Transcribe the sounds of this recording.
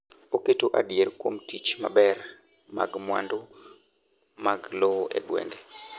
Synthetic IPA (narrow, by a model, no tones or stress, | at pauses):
oketoʔadjerkwomtit͡ʃma̰bɛr | ma̰ɡmwa̰ndo | maɡlɔwoʔɛ̰ɡwḛŋɡɛ